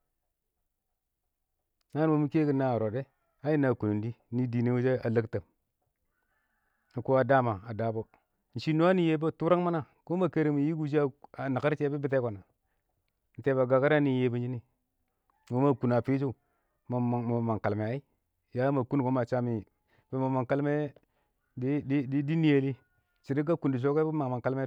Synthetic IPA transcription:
na˦n˦wo˨mi˦ke˦ki˦na˦˨ɾo˨de˦ | a˦ji˦na˨ku˨nu˨ndi˦ni˦di˨ni˦wu˦d͡ʒe˦a˨lə˦kta˨m˨ | ko˦a˨da˦ma˨a˨da˨bo˦˨ | n̩˨ʃi˦no˦a˦ni˨je˦bo˦tu˦ɾa˦ŋ˦ma˦na˦˨ | ko˦ma˨ke˦ɾe˨mi˨ji˦ɡu˦d͡ʒ̬i˦a˦˨a˨na˨ka˦ɾt͡ʃe˦bi˦bi˦t̬e˦ko˨na˨ | n̩˨te˨ba˨ɡa˨ka˦ɾa˦ni˨je˨ba˦d͡ʒi˦ni˦ | ŋo˦ma˨ku˨na˨pi˦d͡ʒu˦ | ma˨ma˨ma˨ŋka˨lme˨a˨i˦ | ja˦ma˨ku˦n˨ko˦ma˨t͡ʃa˦mi˨ | be˨ma˨ma˨ŋka˦lme˦ | di˦di˦di˦di˦ni˦je˨li˦ | t͡ʃi˨ɾi˦ɡa˦ku˨ndi˨ʃ̬o˦ke˦bi˦ma˨ŋma˨ŋka˦lme˦

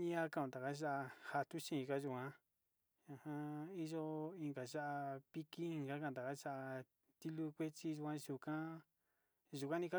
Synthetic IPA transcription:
ɲĩ˦a˧ka˦˧ũ˧˨t̪a˨ka˦ʒa˦ʔa˧ha˧t̪u˦ʃĩ˦˧ka˧ʒu˧˨kã˧˦ | a˧hã˧i˦ʒo˦ĩ˧ŋɡa˨ʒa˦ʔa˧pi˦kĩ˦˧ŋɡa˦ka˧˨d̪a˨ka˦ʃa˦ʔa˧ | t̪i˦lu˦kʷe˦t͡ʃi˦ʒu˧kã˧ʒu˧kã˦ | ʒu˨kʷa˦nĩ˧ka˦

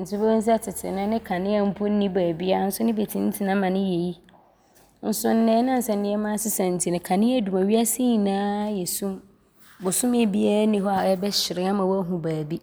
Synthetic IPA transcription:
n̩˨t͡sʰɪ˦bɛ̃˦n̩˦s̬i˦a˦tʰɪ˨tʰɪ̰˨nɪ̃˦nɪ̃˦kʰã˨nɪ̃˦ɛ˦m̩˦pʰʊ˦n̩˦nĩ˦baː˨bi˦a˦n̩˦sʊ˦nɪ̃˦be˨tʰĩ˨n̩˦tʰɪ˨nã˨˦mã˨nɪ̃˦je˨ji˦ | n̩˦sʊ˦n̩˦nɪ̃˨˦nã˦n̩˨sɛ˨n̩˨˦nɪ̃˦ɛ˦mã˦sɪ˦sɛ̃˨n̩˨tʰi˨nɪ̃˨kʰã˨nɪ̃˦ɛ˦du˨mã˨wɥi˦a˦sɪ˦ɲi˨nãː˦jɛ˨sũ˦m | bʊ˨sʊ̃˦mɪ̃˦bi˦a˦ɾnĩ˦ɦɔ˦a˨ɛ˦bɛ˦ɕɪ˨ɾɪ̃˦a˦mã˨wɔ˦æ˦ɦũ˨baː˨bi˦

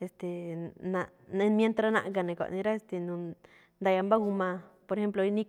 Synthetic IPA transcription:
e˧st̪e˨na˧e˧mje˧nt̪ɾa˧nã̰˧ʔɡa˧nẽ˨kʷa̰˨ʔnĩ˧ɾa˦e˧st̪e˨nũ˧ | nd̪a˧ja˧mba˦ɡu˧mã˧po˧ɾe˧xe˦mplo˧i˧nĩ˦

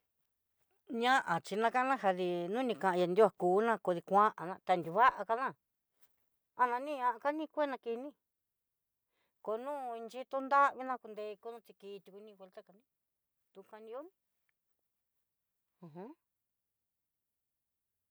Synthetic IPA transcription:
ɲã˦ʔa˨t͡ʃi˧nã˧ka˦nã˦ɦa˧ði˧nũː˦nĩ˧kã˧ʔã˧ja˧nd̪i˦a˧kuː˨˦nã˦˧ko˧ði˧kʷã˦ʔa˨nã˧t̪a˧nd̪ʲu˨˧βa˦ʔa˧ka˧nã˦˨ | a˧nã˧nĩ˦ɲã˧ʔa˧ka˦nĩ˦˧kʷe˦nã˧ki˧nĩ˦ | ko˧nũː˦i˧nt͡ʃi˦t̪o˦nd̪a˦βi˦nã˧ku˧nd̪e˧ko˧nũ˦t͡ʃ̪i˧ki˧t̪u˧ku˧nĩ˦xʷe˧lt̪a˦ka˧nĩ˦ | t̪u˧kã˧nĩ˧o˦nĩ˧ | ũ˧ɦũ˦

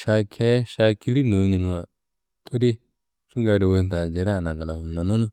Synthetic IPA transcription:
a˧kʰɛ˦ʃa˧ki˧˦li˦no˨˦ɲi˨n˨a˨ | t̪ʰo˦ɾi˦ | su˦ŋɡa˧˨ɾi˨wo˧˨n˨t̪a˨d͡ʒe˨˦ɾa˦˨na˨ɡa˨la˨u˨na˨nu˦l

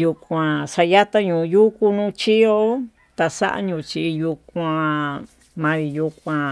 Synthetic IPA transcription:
ju˧kʷã˧ʂa˧ja˦t̪a˦ɲũ˧˨˧ju˦ku˧nũ˦t͡ʃi˦o˦ | t̪a˧sa̰˦ʔa̰˦ɲũ˧˨t͡ʃi˧ju˧kʷã˧ | mã˧ɾi˧ju˧kʷã˧

